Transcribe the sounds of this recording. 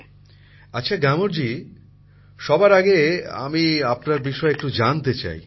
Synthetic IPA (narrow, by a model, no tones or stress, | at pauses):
atːɕʰaɡamoɾd͡ʑi | ʃɔbaɾaɡea̰miapnaɾbiʃɔeek̚ʈud͡ʑant̪et͡ɕa̰j